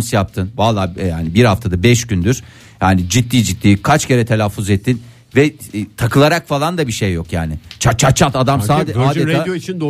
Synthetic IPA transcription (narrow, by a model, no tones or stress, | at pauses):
sjap̚t̪ʰɯnvalˠːaːjaːnibiɾhaft̪ʰad̪abɛʃɟynd̪yɾ̥ | jaːnid͡ʒit̪ʰːiːd͡ʒit̪ːiːkʰat͡ʃcʰe̞ɾɛt̪ʰe̞lʲafuzɛt̪ʰːin | vɛt̪ʰakɯlˠaɾakfalˠand̪abiʃejːo̞kjaːnɪt͡ʃʰat͡ʃʰat̪̚t͡ʃʰat̪ad̪amsaːd̪ɛaːd̪eaːjoit͡ʃʰind̪o